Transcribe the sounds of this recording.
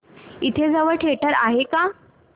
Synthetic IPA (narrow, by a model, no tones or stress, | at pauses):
it̪ʰed͡zaʋəɭʈʰeɭʈəɾaɦeka